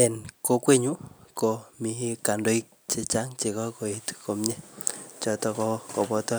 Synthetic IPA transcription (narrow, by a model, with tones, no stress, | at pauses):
ɛ˨nko˦˧kwe˦ɲu˦ko˨mi˨ɦi˦ka˨ndo˦i˦k̚t͡ʃe˦t͡ʃa˦ŋt͡ʃe˨kɔ˦ko˨e˨tu̥ko˧mɲɛ˦t͡ʃɔ˨tɔ˧kɔ˦ko˨pɔ˧tɔ˦